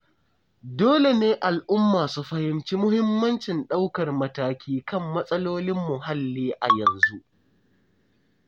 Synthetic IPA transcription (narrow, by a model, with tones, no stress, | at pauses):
doː˦le˨neː˦ʔa˨lʔʊ˦mːaː˨su˦ɸɐ˦hɪ˦mt͡ʃiː˦mʊ˦hɪ˦mːɐ˦nt͡ʃɪ˨nɗa˦wkɐ˨rmɐ˦taː˦kʲʰiː˦kɐ˦˨mːɐ˦sʼɐ˦loː˦lɪ˦mːʊ˨ɦa˦lːiː˦ʔa̰˨jɐ˨nzu˦ʔ